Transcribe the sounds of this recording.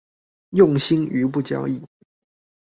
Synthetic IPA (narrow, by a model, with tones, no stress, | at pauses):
jʊ˥˨ŋɕi˥˦ŋy˨˧˦p̬u˥˨˩t͡ɕjɑ̰˦ʊi˥˨